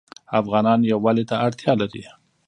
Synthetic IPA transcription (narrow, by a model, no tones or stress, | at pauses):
afɣɑnɑnjawːalet̪aaɽt̪jɑlaɾḭ